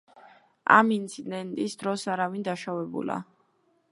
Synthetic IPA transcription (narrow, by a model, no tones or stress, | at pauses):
a̰mint̪sʰid̪ɛnt̪ʼisd̪ɾɔsaɾavind̪aʃavɛbṵla̰